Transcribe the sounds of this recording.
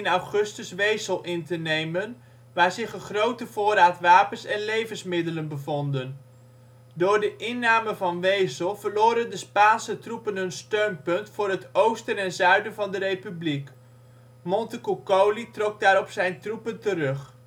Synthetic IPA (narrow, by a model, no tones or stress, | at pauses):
ɪnawχɵstəsʋejsəlˠʔɪntənejmən | ʋaːɹzɪχəχrowtəv̥ʊːɾaːtʋaːpənsɛnlejvənsmɪdələnbəvɔndən | dʊːrdəʔɪnːaːməvɑnʋejsəlˠvərloːɾəndəspaːnsətrupənɦənstøɥnpɵntfʊːrɦətowstənɛnzœɥdənvɑndərejpyblik | mɔntəkukowlitrɔk̚daːɾɔpsɛjntrupəntərɵχ